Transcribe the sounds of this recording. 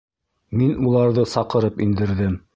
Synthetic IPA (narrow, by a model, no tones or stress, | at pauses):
minulˠɑɾðɤsɑqɤ̆ɾɤpind̪ɘ̆ɾðɘm